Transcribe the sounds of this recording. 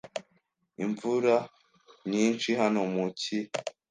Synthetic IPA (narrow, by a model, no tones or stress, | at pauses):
iɱvuɾa | ɲiːnt͡ʃiɦanomuci